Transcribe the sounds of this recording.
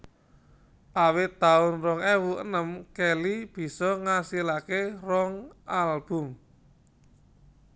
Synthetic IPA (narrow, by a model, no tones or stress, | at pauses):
ʔawɪt̪ːaʊnrɔŋɛwuʔə̰nəmkɛlib̥i̤sɔŋasilakerɔŋʔalb̥ʊ̤m